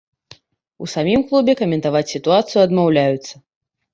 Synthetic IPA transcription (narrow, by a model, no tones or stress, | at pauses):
ṵsamʲimklˠubʲɛkɐmʲɛnt̪avat͡sʲsʲit̪uat̪sɨjuɐd̪mawlʲajut̪sːɐ